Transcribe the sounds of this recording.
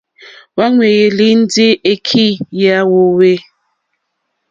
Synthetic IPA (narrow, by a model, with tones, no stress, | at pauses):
wa˦ŋwe˨je˨li˦n̩˦di˦e˦kʰi˦˨ja˦wo˦we˦